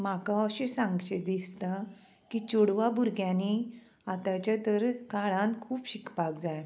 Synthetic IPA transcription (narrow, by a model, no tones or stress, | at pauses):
makaəɕesãŋɡɕed̪ist̪a | kit͡ɕoɽʋabuɾɡjãni | at̪at͡ɕat̪əɾkaɭãnkʰuːpɕikpak̚d͡zaj